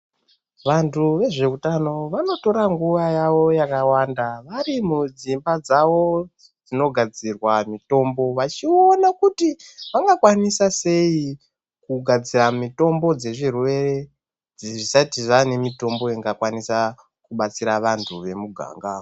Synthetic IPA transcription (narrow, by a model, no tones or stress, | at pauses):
ʋantʰuʋe̞ʐe̞utano̞ʋano̞to̞ɾaŋɡuʋajaʋo̞jakawandaʋaɾimud͡zimbad͡zaʋo̞ | d͡zino̞ɡʱad͡zirwamito̞mbo̞ʋat͡ʃionakutiʋaŋɡakwanisase̞i | kuɡʱad͡ziramito̞mbo̞d͡ze̞ʐirwe̞re̞ | d͡zʐisatiʐane̞mito̞mbo̞iŋɡakwanisa | kuɓat͡siɾaʋantʰuʋe̞muɡʱa̰ːŋɡa